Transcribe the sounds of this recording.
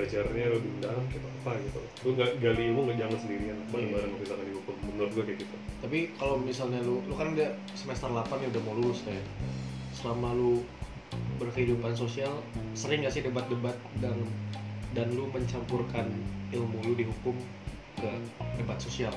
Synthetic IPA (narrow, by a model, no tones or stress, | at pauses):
ad͡ʒarɲaludidaŋkit̪akət̪ajat̪a | luŋɡaɡalimuŋɡad͡ʒaŋansəndiɾianababaɾənakit̪akandiukurməmlat̪̚ɡuakajakit̪at̪apikalowmisalɲalulukanudah | səmest̪ərlapanjaudahmolulʊslajasəlamalu | bərkəhidupans̬osialsəɾɪŋɡasɪhdəbat̪̚dəbat̪̚daŋ | danluməɲt͡ʃampurkanilmuludiɦukʊm | ɡadəbat̪̚sosial